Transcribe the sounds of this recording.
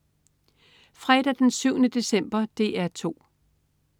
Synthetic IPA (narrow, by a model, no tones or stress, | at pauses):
fʁɛd̥æd̥ensyʊ̰nəd̥e̝sem̰b̥ɐd̥e̝ʔæɐt͡sʰo̝̰ː